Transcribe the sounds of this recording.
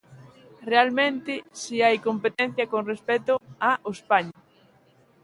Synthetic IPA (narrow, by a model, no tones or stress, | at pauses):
realmẽnt̪ɪsiajkompet̪ɛn̟θjɐkoŋrespɛt̪ʊaʔospaɲa